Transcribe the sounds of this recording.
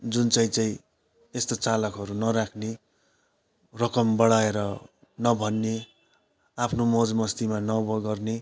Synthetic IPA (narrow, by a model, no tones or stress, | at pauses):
d͡zunt͡saĩt͡saĩ | est̪ot͡salʌkɦʌɾunʌɾakʰne | rʌkʌmbʌɽaeɾʌ | nʌbʱʌnːe | apʰnomod͡zmʌst̪imanʌbʌɡʌrne